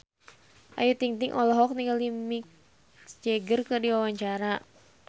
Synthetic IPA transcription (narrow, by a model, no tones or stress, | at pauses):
ʔa̰jut̪iŋt̪iŋʔɔlɔɦɔk̚niŋɡalimik̚ | sd͡ʒɛɡərkɨrdiwawaɲt͡ʃaɾa